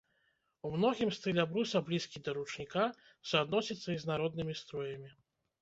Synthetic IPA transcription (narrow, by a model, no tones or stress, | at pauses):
umnɔɣʲimst̪ɨlʲabɾusʲɐblʲiskʲid̪ɐɾut͡ʂnʲika | suad̪nɔsʲit̪sːɐiznaɾɔd̪nɨmʲist̪ɾɔjɐmʲi